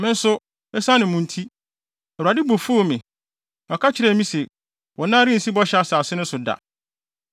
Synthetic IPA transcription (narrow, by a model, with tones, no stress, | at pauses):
mɪ̃˦n̩˦sʊ˦ | ɛ˦sã˦nɪ̃˨mʊ̃˨n̩˦tʰi˦ | ɛ˨a˨dɪ˦bo˨fu˦o˨mɪ̃˨ | ɔ˨kʰa˦t͡ɕʰɪ˨ɾɛ˨˦mĩ˦sɛ˨ | wɔ˨nã˦ɾɪ̃˦n̩˨si˦bɔ˦ɕɛ˨˦a˨sa˨sɪ˦nʊ̃˦sʊ˨da̰˨